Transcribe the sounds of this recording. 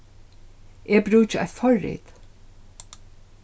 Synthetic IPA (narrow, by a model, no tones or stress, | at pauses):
ʔeːbɾʉːt͡ʃa̰fɔɹːḭːt̪